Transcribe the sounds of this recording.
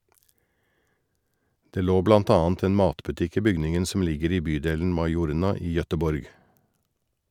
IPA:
ˈdeː ˈloː ˈblɑnt ˈɑːnt ˈeːn ˈmɑːtbʉˌtɪk ˈiː ˈbʏɡnɪŋn̩ sm̩ ˈlɪɡəɾ ˈiː ˈbyːdeːln̩ ˈmɑɪˌjuːɾɳɑ ˈiː jœtəˈbɔɾɡ

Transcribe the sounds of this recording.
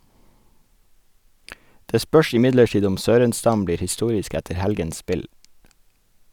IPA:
ˈdeː ˈspœʃ ɪˈmɪdləˌʈiːd ˈʊm ˈsøːɾənˌstɑm ˈbliːɾ hɪˈstuːɾɪsk ˈɛtə ˈhɛlɡəns ˈspɪl

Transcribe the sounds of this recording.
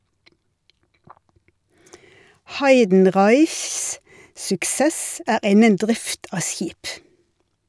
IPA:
ˈhɑɪdn̩ˌʁɑɪçs sʊkˈseːs ə ˈæːʁ ˈɪnən ˈdʁɪft ˈɑː ˈsjiːp

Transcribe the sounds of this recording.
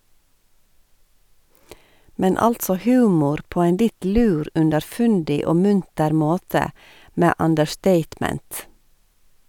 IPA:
ˈmɛn ˈɑltsɔ ˈhʉːmʊɾ ˈpoː ˈæɪn ˈlɪt ˈlʉːɾ ʉndəɾˈfʉndɪ ˈoː ˈmʉntəɾ ˈmoːtə ˈmeː ɑndəɹˈsteɪtˌmɛnt

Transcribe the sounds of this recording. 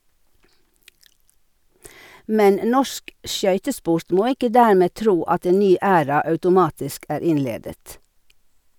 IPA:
ˈmɛn ˈnɔʃk ˈʃjœʏtəˌspʊɾt ˈmoː ˈɪkə ˈdæːɾmeː ˈtɾuː ˈɑt ˈeːn ˈnyː ˈæːɾɑ ɑʉtʊˈmɑːtɪsk ˈæːɾ ˈɪnˌleːdət

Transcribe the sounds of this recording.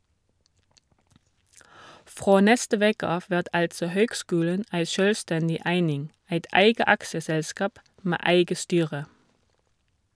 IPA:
ˈfʁoː ˈnɛstə ˈʋeːkə ˈɑːf ˈʋæʁt ˈɑltsɔ ˈhøːɡˌskʉːlən ˈæɪ ˈʃøːlˌstɛndɪ ˈæɪnɪŋ ˈæɪt ˈæɪɡə ˈɑksəˌsɛlˌskɑːp ˈmæː ˈæɪɡə ˈstyːʁə

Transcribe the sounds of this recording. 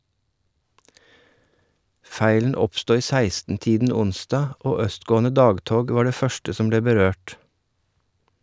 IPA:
ˈfæɪlən ˈɔpstoː ˈiː ˈsæɪstn̩ ˈtiːdn̩ ˈʊnsdɑː ˈʔoː ˈœstˌɡoːn̩ə ˈdɑːɡˌtoːɡ ˈʋɑːɾ ˈdeː ˈfœʃtə ˈsɔm ˈbleː bəˈɾøːʈ

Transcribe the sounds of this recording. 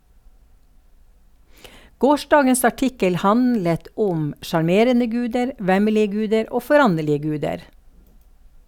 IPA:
ˈɡoːˌʃdɑːɡəs ɑˈʈɪkəl ˈhɑnlət ˈʔʊm ʃɑɾˈmeːɾənə ˈɡʉːdəɾ ˈʋæməlɪə ˈɡʉːdəɾ ˈoː fɔˈɾɑnɛlɪə ˈɡʉːdəɾ

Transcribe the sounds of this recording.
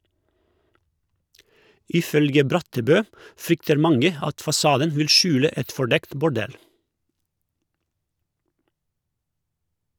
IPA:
ɪˈfœlɡə ˈbɾɑtəˌbøː ˈfɾʏktəɾ ˈmɑŋə ˈɑt fɑˈsɑːdən ˈʋɪl ˈʃʉːlə ˈɛt fɔˈɖɛkt bʊˈɖɛl

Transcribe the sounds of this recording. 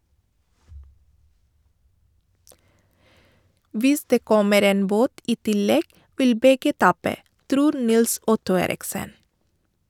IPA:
ˈʋɪs ˈdeː ˈkɔməɾ ˈeːn ˈboːt ˈiː ˈtɪˌlɛɡ ˈʋɪl ˈbɛɡə ˈtɑːpə ˈtɾuːɾ ˈnɪlˌsɔtʊ ˈeːɾɪksən

